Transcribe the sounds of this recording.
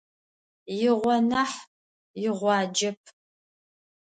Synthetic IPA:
jɪʁʷɔnɐħ | jɪʁʷɑːd͡ʒɐp̚ʰ

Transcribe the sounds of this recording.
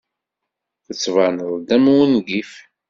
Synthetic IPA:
θət͡sːvɑnəðˤd̪æmwənɡif

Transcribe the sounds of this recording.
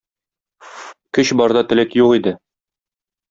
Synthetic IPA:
kɵɕbɒɾd̪ɑt̪ɘ̆lækjuqid̪ɘ

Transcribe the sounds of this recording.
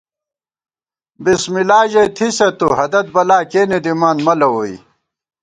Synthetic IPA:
bismilaːʑɐjt̪ʰisɐt̪uɦɐd̪ɐt̪̚bɐlaːkeːnid̪imaːnmɐlɐwoḭ

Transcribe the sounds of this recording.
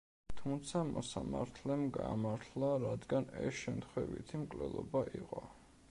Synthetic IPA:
t̪ʰumt̪sʰamɔsamaɾt̪ʰlɛmɡamaɾt̪ʰlˠaɾad̪ɡanɛsʃɛmt̪ʰχwɛvḭt̪ʰimkʼlɛlˠɔbaʔiqʼɔ

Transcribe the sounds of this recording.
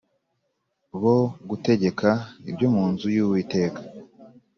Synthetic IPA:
βo̞ɡute̞ɟe̞kʰaibɟo̞muːnzujuwite̞ːkḁ

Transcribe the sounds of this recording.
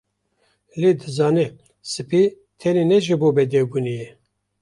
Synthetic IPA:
leːd̪ɨzɑːnɛ | sɨpʰi | t̪ʰɛninɛʒiboːbɛd̪ɛbunijɛ

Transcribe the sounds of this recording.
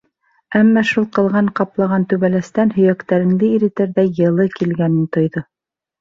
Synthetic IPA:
æmːæʃulˠqɤ̆lˠʁɑɴqɑplˠɑʁɑnt̪ʉβælæst̪ænhɵ̆jækt̪æɾɘ̆ŋd̪ɘiɾit̪æɾðæjɤ̆lˠɤkilɡænɘnt̪ŏjðo

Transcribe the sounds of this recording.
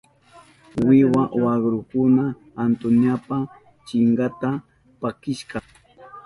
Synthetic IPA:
wɪwawaɡɾʊkʊnaː | nt̪ʊnjapa | t͡ʃɪɴɢɑt̪a | pakɪʃɢɑ

